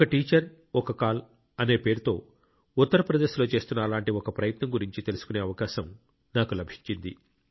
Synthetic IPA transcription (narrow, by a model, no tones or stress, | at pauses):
kɐʈiːt͡ʃɐɾ | ɔkɐkaːl | ɐne̞ːpeːɾut̪o̞ː | ut̪ːɐɾɐpɾɐd̪e̞ːʃlo̞ːt͡ʃe̞ːst̪unːɐːlaːɳʈiɔkɐpɾɐjɐt̪nɐmɡuɾiɲt͡ʃit̪e̞lusu̥kune̞ːɐʋɐkaːʃɐm | naːkulɐbʱiɲt͡ʃind̪i